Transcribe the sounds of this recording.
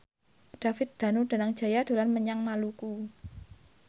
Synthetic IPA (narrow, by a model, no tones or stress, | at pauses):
ɖ̪̥a̤fɪt̪̚d̪̥a̤nuɖ̪̥a̤naŋd̥ʒ̥a̤jad̪̥o̤lanməɲaŋmaluku